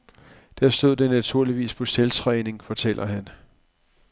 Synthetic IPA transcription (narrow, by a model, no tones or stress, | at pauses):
d̥æɐ̰sd̥o̝ð̰ˠd̥enæt͡sʰuɐ̰liʋḭːspʰɒ̽selt͡sʰʁɛ̰ːne̝ŋfɒ̽t͡sʰel̰ʔɐhæn